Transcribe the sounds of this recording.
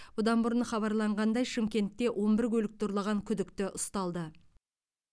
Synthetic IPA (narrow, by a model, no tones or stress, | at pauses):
bʊd̪ɑnbʊɾənχɑβɑɾlˠɑɴʁɑnd̪ɑjʃɪmkʲe̞nt̪ːe̞wʔo̞mbɪɾkʲɵlɪk̚t̪oɾlˠɑʁɑŋkʲʰʏd̪ɪkt̪ɪʔʊst̪ɑlˠd̪ə